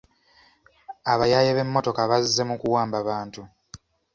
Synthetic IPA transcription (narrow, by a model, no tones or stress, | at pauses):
aβajajeβe̞mːo̞to̞kaβazzːe̞mukuwaːmbaβaːntu